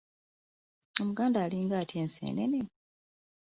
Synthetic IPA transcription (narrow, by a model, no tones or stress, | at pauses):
o̞muɡaːndaːliːŋɡaːtieːnsḛːnḛne